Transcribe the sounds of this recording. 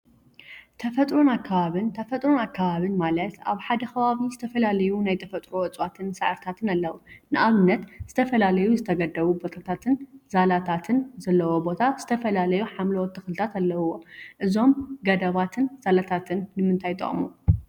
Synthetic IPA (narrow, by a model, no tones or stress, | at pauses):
t̪ʰɐfɐt̪ʼɾonakʰːaβaβɨnt̪ʰɐfɐt̪ʼɾonakːaβaβɨnmalɐt̪a̰βħad̪ɐxʰɐβaβizɨt̪ʰɐfɐlalɐjunajt̪ʰɐfɐt̪ʼɾoɨt͡sʼwat̪ʰɨnsɨʕɨɾt̪ʰat̪ʰɨnalːɐwunɨʔaβɨnːɐt̪z̥ɨt̪ʰɐfɐlalɐjuzɨt̪ʰɐɡɐd̪ɐβubo̞t̪ʰat̪ʰat̪ʰɨnz̥alat̪ʰat̪ʰɨnzɐlːɐwo̞bo̞t̪ʰaz̥ɨt̪ʰɐfɐlalɐjuħamlɐwɔt̪ʰːɨxlɨt̪ʰat̪alːɐwuwo̞ʔɨzo̞mɡɐd̪ɐβat̪ʰɨnz̥alat̪ʰat̪ʰɨnːɨmɨnt̪ʰajt̪ʼɐ̰χʼmu